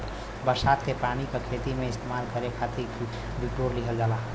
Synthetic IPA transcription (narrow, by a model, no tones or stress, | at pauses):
bəɾsaːt̪kepaːɽ̃ikekʰet̪imẽɪst̪emaːlkəɾekʰaːt̪ʰiki | biʈoɾliɦəld͡ʒaːla